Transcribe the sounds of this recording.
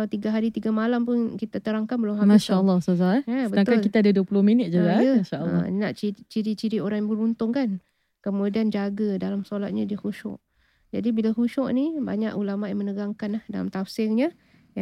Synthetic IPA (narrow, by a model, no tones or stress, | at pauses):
awt̪iɡaɦaɾit̪iɡamalampʊnkit̪at̪əɾaŋkanbəlʊmɦamaʃaəlːɔhsazaabət̪aŋk̪kalkit̪aadaduəpulʊhminɪt̪̚d͡ʒuɡaaʃal̰naʔt͡ʃit͡ʃiɾit͡ʃiɾiʔoɾaŋjbəɾunt̪ʊŋkan | kəmudiand͡ʒaɡadalamsolat̪̚ɲadiəhuʃɔ̰ʔ | d͡ʒadibilahuʃɔʔniba̰ɲaʔulamaʔjamənəɡaŋkanahdalamt̪afsɪrɲa | ja